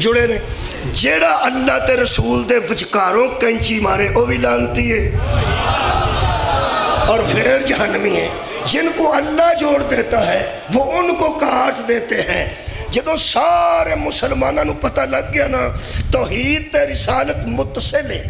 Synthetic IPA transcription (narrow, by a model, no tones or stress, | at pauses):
d͡ʒʊɽeːneː | d͡ʒeːɽaːʔəlːaːt̪eːɾəsuːld̪eːʋəd͡ʒkaːɾõːkəɪ̃t͡ʃiːmaːɾeːʔoːʋiːlaːnt̪iːɦɛː | ɔːɾpʰeɾd͡ʒəənmĩːɦɛː | d͡ʒɪnkoːəlːaːd͡ʒoːɽd̪eːt̪aːɦɛː | ʋoːʊnkoːkaːʈʰd̪eːt̪eːɦɛ̃ː | d͡ʒəd̪õːsaːɾeːmʊsəlmaːnãːnũːpət̪aːləɡːɪjaːnaːt̪ɔːɦiːd̪̚t̪eːɾɪsaːlət̪mʊt̪səlɛː